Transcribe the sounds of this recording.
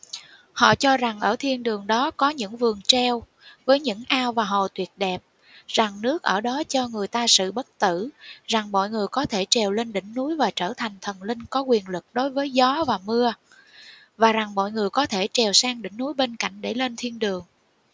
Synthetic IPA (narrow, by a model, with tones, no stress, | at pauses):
hɔ̰˧˨t͡ɕɔ˧za˨˩ŋʔəː˧˩t̪ʰi˧ənɗɨ˨˩əŋɗɔ˨˦kɔ˨˦ɲɨ̰˧˥ŋvɨ˨˩əŋt͡ɕɛ˧w | vəː˨˦jɲɨ̰˧˥ŋʔaː˧wvaː˨˩ɦɔ̰˨t̪wi˨˩ət̚ɗɛ˨˩p̚ | z̥a˨˩ŋnɨ˦˥ək̚ʔəː˧˩ɗɔ˨˦t͡ɕɔ˧ŋɨ˨˩əjt̪aː˧sɨ̰˧˨ɓə˦˥t̚t̪ɨ˧˩˨za˨˩ŋmɔ̰˧˨jŋɨ˨˩əjkɔ˨˦t̪ʰe˧˩t͡ɕɛ˨˩wle˧nɗï˧˩˨ŋ̟nu˨˦jvaː˨˩t͡ɕəː˧˩t̪ʰa˨˩jŋ̟t̪ʰə˨˩nlï˧ŋ̟kɔ˨˦kwi˨˩ənlɨ˨˩k̚ɗo˨˦jvəː˨˦jzɔ˨˦vaː˨˩mɨ˧ə | vaː˨˩za˨˩ŋmɔ̰˧˨jŋɨ˨˩əjkɔ˨˦t̪ʰe˧˩t͡ɕɛ˨˩wsaː˧ŋɗï˧˩ŋ̟nu˨˦jɓe˧nka̰˧˨jŋ̟ɗe˧˩le˧nt̪ʰi˧ənɗɨ˨˩əŋ